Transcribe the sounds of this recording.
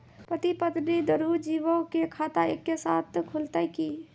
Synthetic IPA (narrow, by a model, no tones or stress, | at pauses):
pɾət̪ipət̪ɾid̪əɾud͡ʒiːʋõkekʰaːt̪aḛkːesaːt̪ʰkʰʊlt̪aiki